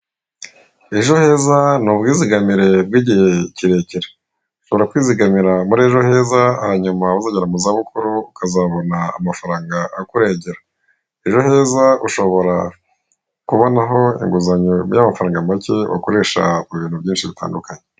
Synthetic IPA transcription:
eʒo̞he̞ːzanub̚ɡiːziɡamiɾe̞b̚ɡiːɟihe̞ciɾe̞ciɾe̥ | uʃo̞βo̞ɾakwiːziɡamiɾamuɾeːʒo̞he̞ːzaːhaɲumaβazaɟeɾamuzaβukuɾuukʰazaːβo̞naa̰mafaɾaːŋɡaʔakuɾeːɟeɾa | eʒo̞he̞ːzauʃo̞βo̞ɾa | kuβo̞naɦo̞ḭŋɡuzaɲojamafaɾaːŋɡamaceβa̰ko̞ɾe̞ːʃa̰uβiːn̥ubjɟiːnʃiβitʰa̰ːndukaɲe

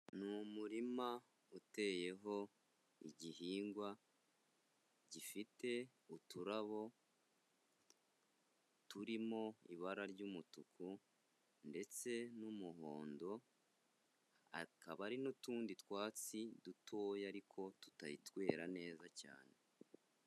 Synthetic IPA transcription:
numuɾima | ute̞ːje̞ɦo̞ | iɟiɦiːŋɡwa | ɟifite̞ | utuɾaβo̞ | tuɾimo̞ḭβaɾaɾɟuːmutukʰu | nde̞t͡se̞numuɦo̞ːndo̞ | a̰kaβaɾinotuːnditwaːt͡sidutʰo̞ːjaɾikʰo̞tu̥taɾitwe̞ːɾane̞ːzaca̰ːne̞

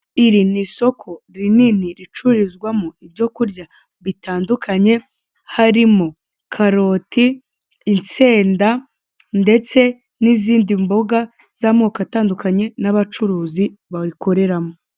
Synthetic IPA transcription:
iɾiniso̞kʰo̞ɾininiɾit͡ʃuɾizɡwamoibɟo̞kuɾɟa | βitaːndukʰaɲe̞ | haɾimo | kʰaɾo̞tʰiː | nt͡se̞ːnda | nde̞t͡se̞ | niziːndimbo̞ɡa | z̥amoːkataːndukaɲe̞naβat͡ʃuɾuːziβaɾiko̞ɾe̞ɾamo

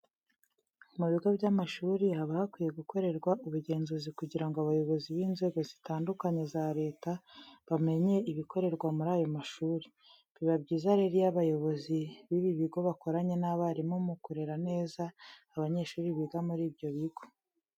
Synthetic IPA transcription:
muβiɡo̞bɟamaʃuːɾiɦaβahakwiːje̞ɡukʰo̞ɾe̞ɾɡwaʔuβuɟe̞ːnzuːzikuɟiɾaŋɡoaβajo̞βo̞ziβiːnze̞ːɡo̞zitaːndukaɲe̞zaɾe̞ːtaβame̞ɲe̞iβiko̞ɾe̞ɾɡwamuɾaːjo̞maʃuːɾi | βiβabɟiːzaɾeɾijaβajo̞βoziβiβiβiɡo̞βako̞ɾaɲe̞naβaɾimumukuɾe̞ɾane̞ːzaː | βaɲe̞ʃuːɾiβiɡamuɾiːbjo̞βiɡo̞

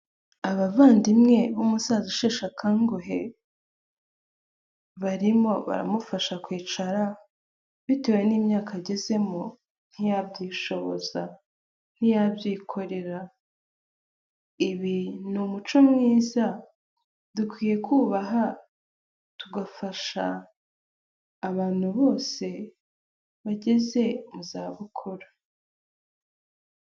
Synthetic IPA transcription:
aβavaːndimŋe̞βumusaːziʃeːʃakaːŋɡoɦe̞ | βaɾimo̞βa̰ɾa̰mufaʃakwiːt͡ʃaɾa | βite̞we̞niːmɲaːkaɟe̞ze̞mo | n̥hijabɟiːʃo̞βo̞̰za | n̥ijabjiːkʰo̞ɾe̞ɾa | iβinumut͡ʃo̞mŋiːza | dukwiːje̞kuːβaɦa | tuɡafaʃa̰ | βaːn̥huβo̞ːse̞ | βaɟe̞ze̞muzaːβukʰoɾḁ

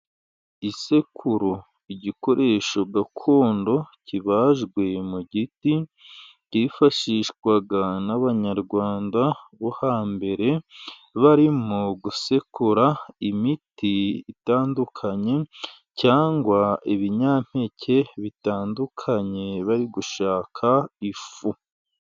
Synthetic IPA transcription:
ise̞kʰuɾo | iɟiko̞ɾʔe̞ːʃo̞ɡakʰo̞ːndo̞ciβaːʒɡwe̞muɟiti | cifaʃiʃwaɡanaβaɲaɾɡwaːndaβohaːmbe̞ɾe̞ | βaɾimuɡuse̞kuɾaimitiːtaːndukʰaɲe̞ | caːŋɡwaiβiɲaːm̥he̞cʰe̞βitaːndukʰaɲe̞βaɾiɡuʃaːkʰaifu

